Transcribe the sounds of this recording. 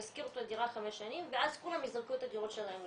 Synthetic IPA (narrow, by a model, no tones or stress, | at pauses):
askiʁot̪od̪iʁaχameʃanimveʔazkulhamizʁakot̪had̪iʁot̪ʃelahem